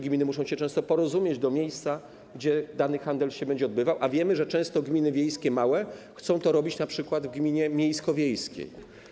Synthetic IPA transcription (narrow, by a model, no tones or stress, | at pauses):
ɡmʲinɘmuʂɔ̃w̃ɕɛt͡ʂɛ̃st̪ɔpɔɾɔzumʲjed͡ʑd̪ɔmʲjejst̪sa | ɡd͡ʑɛd̪anɘxand̪ɛlɕɛbɛɲd͡ʑɛɔd̪bɘvawʔavʲjɛmɘʐɛt͡ʂɛ̃w̃st̪ɔɡmʲinɘvʲjejskʲɛmawɛxt̪sɔ̃w̃t̪ɔɾɔbʲit͡ɕnapʂɘkwad̪vɡmʲiɲɛmʲjejskɔvʲjejskʲḛj